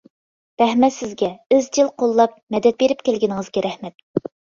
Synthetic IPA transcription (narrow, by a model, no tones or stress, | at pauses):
b̪̥ɛhmɛt̪sɪzɡʲɛyzt͡ʃ̪ʰilˠqʰolˠːɑp̚mɛd̪ɛt̪̚beɾɪpkʲʰelɡʲɪnɪŋəzɡʲɛɾɛhmɛt̪̚